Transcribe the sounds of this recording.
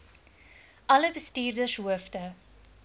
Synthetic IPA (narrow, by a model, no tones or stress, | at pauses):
ʔɐləbəstiːrdəʃuəftə